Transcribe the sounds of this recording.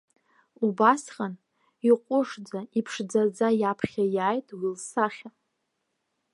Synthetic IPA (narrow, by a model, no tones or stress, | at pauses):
ubasqʼan | iqʷʼʊʂd͡zaipʰʂd͡zad͡zajapʰχʲajaːjtʼwilsaχʲa